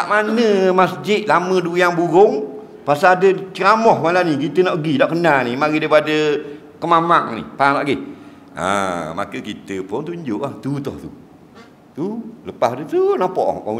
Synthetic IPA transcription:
t̪aʔmanəmasd͡ʒɪt̪̚laməduaŋbuɾʊŋ | pasaladət͡ʃəɾamɔhmalanikit̪ənɔʔɡidɔʔkənanimaɾidaipadə | kəmamaŋnḭhpanɔʔɡih | ə̰ma̰kəkit̪əpʊnt̪uɲd͡ʒʊʔlaht̪ut̪ɔht̪u | t̪uləpaɦdut̪unapɔʔka

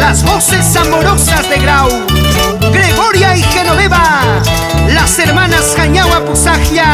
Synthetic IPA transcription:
lazβo̞se̞samoɾo̞sazðe̞ɣɾaw | ɡɾe̞ɣo̞ɾjaixenoβeβa | lase̞ɾmanaskaɲawaposaxja

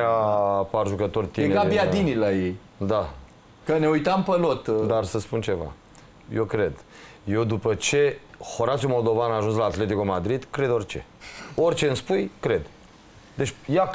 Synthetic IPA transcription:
apaʒukət̪o̞rʲt̪ieŋeɡabiad̪inilajej | d̪a | kəne̞ujt̪ampəlot̪d̪arsəspunt͡ʃe̞va̰ | jewkɾe̞d̪ | je̞wd̪upət͡ʃe̞ho̞ɾaʃumo̞ld̪o̞vanaːʒuns̬laːt̪le̞t̪ikumad̪ɾid̪kɾe̞d̪o̞rʲt͡ʃe̞̰o̞rʲt͡ʃe̞ɨnspujkɾe̞d̪ | d̪et͡ʃʲja

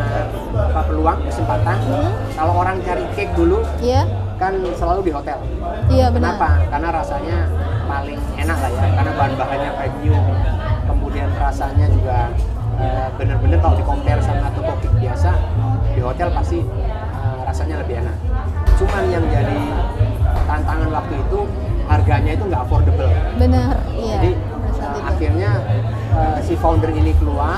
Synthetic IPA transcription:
apapəluaŋkəsəmpat̪ankaloːɾaŋt͡ʃaɾikɪk̚duluakansəlaludiɦot̪ɛl | kkəənapakarnaɾasaɲapalɪŋenaklajakarnabaɦanbaɦaɲafamiukəmudianrasaɲad͡ʒuɡa | əbənərbənərt̪audikɔmpɛrsamaːt̪awpəkɛk̚biasaləbiɦot̪ɛlpast̪i | ərasaɲaləbɪhenak̚ | t͡ʃumajaŋd͡ʒadi | t̪ant̪aŋanlak̚t̪uit̪u | harɡaɲait̪uŋɡaʔfɔrdəbəlbənə | adi | əaxkirɲa | əsifawndərinikəlua

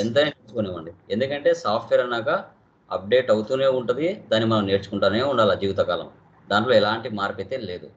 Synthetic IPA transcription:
ent̪ɐneːneːt͡ʃukoːneʋɐɳɖiend̪ukɐɳʈe̞ːsaːp̚ʰʈʋeɾɐnaːkɐ | ɐ̰p̚ɖeːʈɐwut̪uːne̞ːuɳʈɐd̪id̪aːnːimɐnɐmne̞ːɾt͡ʃu̥kuɳʈaːnneːuɳɖaːlɐd͡ʒiːʋit̪ɐkaːlɐ̰m | d̪aːɳʈlo̞ːɛlaːɳʈimaːɾpet̪ːeːnle̞ːd̪ṵ

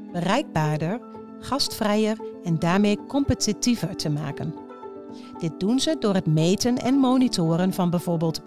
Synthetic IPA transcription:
bərɛjɡ̚baːɹdəɹ | χɑstfrɛjəɹɛndaːɹmejkɔmpətitivəɹtʰəma̰ːkən | d̥ɪt̚dunzədʊːɹɦətmejtənɛ̰nmownitʊːɾənvɑnbɛjv̥ʊːɹbɪːlˠt

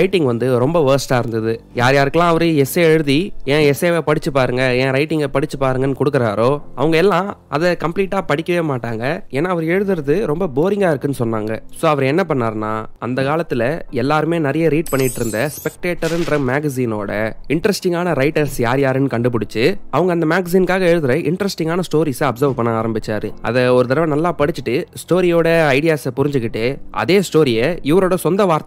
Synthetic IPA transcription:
ɾɐɪʈːɪŋɡʋɐnd̪ɯɾɔmbɐʋɐːɾsʈaːɪɾɯnd̪ɐðɯ | jaːɾjaːɾɯkːɐlãːɐʋɐɾɯɛseɛɻɯðiẽːɛseːʋepɐɽɪt͡ʃːɯpːaːɾɯŋɡɐẽːɾɐɪʈːɪŋɡɐpɐɽɪt͡ʃːɯpːaːɾɯŋɡɐnːɯkɔɽɯk̬ːɪɾaːɾoːɐ̰ʋɐŋɡɐɛlːãː | ɐðɐkɐmpliːʈːaːpɐɽɪkʲːɐʋeːmaːʈːaːŋɡɐeːnaːɐʋɐɾɛɻɯðɯɾɐðɯɾɔmbɐboːɾɪŋɡaːɪɾɯkːɯnːɯsɔnːaːŋɡɐsoːɐʋɐɾɛnːɐpɐɳːaːɾna̰ːɐnd̪ɐkaːlɐt̪ːɪlɐɛlːaːɾɯmeːnɐɾɐjɐɾiːʈ̚pɐɳːɪʈːɪɾɯnd̪ɐspɛkʈeːʈːɐɾɯnd̪ɾɐmaːɡɐs̬iːno̰ːɽɐ̰ɪɳʈɐɾɛsʈɪŋɡaːnɐɾɐɪʈɐɾsja̰ːɾjaːɾɯnːɯkɐɳɖɯp̬ʊɽɪt͡ʃːɯɐʋɐŋɡɐnd̪ɐmaːɡɐs̬iːnkaːɣɐɛɻɯðɯɾɐʔɪɳʈɐɾɛsʈɪŋɡaːnɐsʈoːɾiːsɐɐpsɐɾʋpɐɳnːɐaːɾɐmbɪt͡ʃːaːɾɯʔɐ̰ðɐɔɾɯt̪ɐɾɐʋɐ̃nɐlːaːpɐɽɪt͡ʃːɯʈːɯsʈoːɾɪjoːɽɐɐɪɽɪjaːsɐpʊɾɪɲd͡ʒɯkːɪʈːeːʔɐ̰ðeːsʈoːɾɪjɐɪʋɐɾoːɽɐsɔnd̪ɐʋaːɾt̪

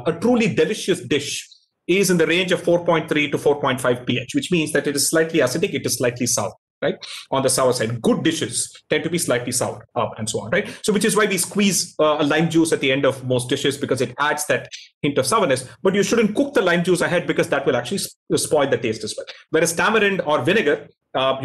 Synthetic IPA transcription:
əʈɾuːliɖɛlɪʃəsɖɪʃ | ɪzɪ̃nd̪əɾẽːnd͡ʒɔʋ̥foːɾpɔ̃ɪ̃nʈ̚t̪ʰɾiːʈufoːɾpɔ̃ɪ̃nʈfaɪvpiet͡ʃʋɪt͡ʃmĩːnzd̪æʈɪʈɪz̥slaɪʈliæsɪʈɪkɪʈɨz̥slaɪʈʰlisa̰ʊə | ɾaɪʈ̚ʔɔ̃nd̪əsaʊəɾsaɪɖɡʊɖ̚ːɪʃɪz̥ʈɛ̃nʈubiːslaɪʈlisaʊəɖʌpɛ̃nɖsoːɔ̰̃nɾaɪʈsoːʋɪt͡ʃɪzʋaɪʋiːskwiːzəlãɪ̃md͡ʒuːsæʈ̪̚d̪iɛ̃ɳɖɔʋmoːsʈ̚dɖɪʃɪzbɪkɔːzɪʈæɖz̥d̪æʈhɪ̃ɳʈɔʋ̥saʊəɾnɨsb̥ʌʈjuʃʊɖə̃n̩ʈ̚kʊk̚d̪əlãɪ̃md͡ʒuːsəɦɛɖ̚bɪkɔzd̪æʈʋɪlæk̚t͡ʃʉəlispɔɪld̪əʈeːsʈɨzwɛlʋɛːɾɨz̥ʈæməɾɪ̃ɳɖɔːɾʋɪnɪɡəɾ | j

